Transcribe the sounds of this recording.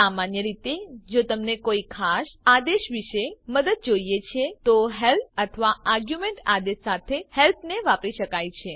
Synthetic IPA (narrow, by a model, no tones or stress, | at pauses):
amanjəɾit̪ed͡ʒot̪əmnekoikʰaʃad̪eʃʋiʃeməd̪əd̪̚d͡ʒoijet͡ʃʰet̪oɦelp̪̚ʰət̪ʰəʋaaɾɡjumẽɳʈad̪eʃsat̪ʰehelp̪ʰneʋapɾiʃəkajt͡ʃʰe